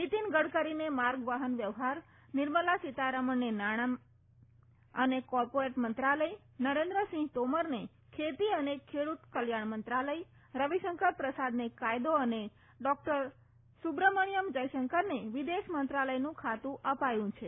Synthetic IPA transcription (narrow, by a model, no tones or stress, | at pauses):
nit̪inɡəɽkəɾinemaɾɡʋaɦənʋjəʋɦaɾ | nɪɾməlasit̪aɾəməɳnenaɽ̃a | ənekɔɾpoɾeʈmənt̪ɾaləj | nəɾẽnd̪ɾəsĩŋɦɡt̪oməɾne | kʰet̪iənekʰeɽut̪kəljaɳmənt̪ɾaləj | ɾəʋiʃəŋkəɾpɾəsad̪nekajd̪oəne | ɖɔk̚ʈəɾ | subɾəməɳijəmd͡ʒəjʃəŋkəɾneʋid̪eʃmənt̪ɾaləjnũkʰat̪ũʔəpajũt͡ʃʰe